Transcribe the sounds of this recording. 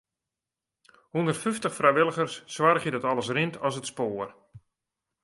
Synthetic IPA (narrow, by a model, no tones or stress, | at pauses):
hundərtfyftəχfrajʋɪlˠəɣərsːwarχjədɔtɔlˠəsrɪntʰɔsətspoːər